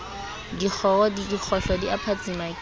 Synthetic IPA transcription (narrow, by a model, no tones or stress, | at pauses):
dik͡xʰɔɔdidik͡xʰɔɬɔdiapʰat͡sʼimak